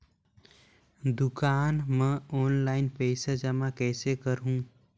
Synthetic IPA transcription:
d̪ʊkaːnmɛ̃ɔːnlaːɪnpɛɪsad͡ʒəmakɛːsekəɾɦũː

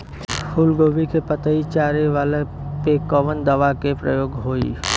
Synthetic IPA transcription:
hʊlɡoːʋikepət̪əit͡ʃaːɾeʋaːle | pekɔʋənd̪ɐʋakepɾə̰joːɡɦoːḭː

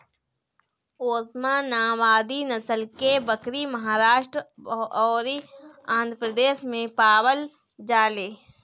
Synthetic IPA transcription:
oːsmanaːʋaːd̪inəsəlkebəkɾimɐɦaːɾaːʃʈɾɔːɾiãːnd̪ʱɾəpɾəd̪eːʃmẽpaːwəl | d͡ʒaːleː

